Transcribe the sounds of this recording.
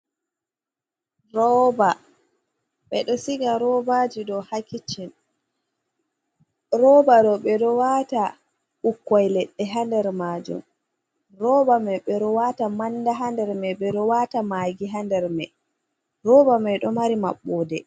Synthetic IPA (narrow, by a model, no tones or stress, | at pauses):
ɾɔba | ɓɛɗɔsiɡaɾɔbad͡ʒidɔhakit͡ʃːin | ɾɔbaɗɔɓɛɗɔwata | ʔukːajlɛɗːɛɦandɛɾmaːd͡ʒṵm | ɾɔbamɛɓɛɗɔwatamandaɦandɛɾmɛɓɛɗɔwatamaːɡiɦandɛɾmɛ | ɾɔbamɛɗɔmaɾimaɓːɔːdɛ